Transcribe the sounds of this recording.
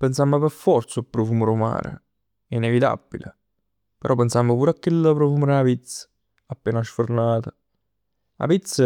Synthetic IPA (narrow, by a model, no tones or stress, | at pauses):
pensamːəpeɾfɔrt̪sʊlpːɾofuːməɾoma̰ːɾʔḛ | ɛinevit̪a̰b̥ːilḛ | peɾɔpːensamːəpuːɾakːeləpɾofuːməɾapit̪sə̥ | apːeːnaʃfornaːt̪ə | a̰pit̪sːə